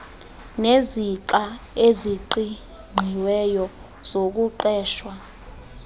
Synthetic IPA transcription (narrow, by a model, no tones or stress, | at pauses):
neziǃaeziǃi | ŋ͡ǃʱiwɛjɔ | z̥ok̬uǃɛːʃwa